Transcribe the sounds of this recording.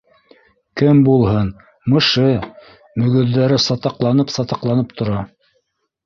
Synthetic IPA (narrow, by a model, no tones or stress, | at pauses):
kɘmbulˠhɤn | mɤ̆ʃɤ | mɵ̆ɡɵ̆ðːæɾɘsɑt̪ɑqlˠɑnɤpsɑt̪ɑqlˠɑnɤp̚t̪ʰŏɾɑ